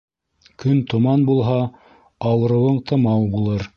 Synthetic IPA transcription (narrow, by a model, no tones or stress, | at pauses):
kɵnt̪ŏmɑnbulˠɦɑ | ɑwɾɤ̆wɤɴt̪ʰɤ̆mɑwbulˠɤɾ